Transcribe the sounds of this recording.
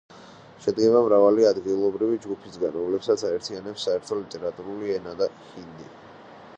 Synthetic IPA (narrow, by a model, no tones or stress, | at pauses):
ʃɛd̪ɡɛbamɾavaliad̪ɡilˠɔbɾivid͡ʒɡupʰisɡanɾɔmlɛpsat̪sʰaɛɾt̪ʰianɛpsːaɛɾt̪ʰɔlit̪ʼɛɾat̪ʼuɾuliɛnad̪a | hind̪ḭ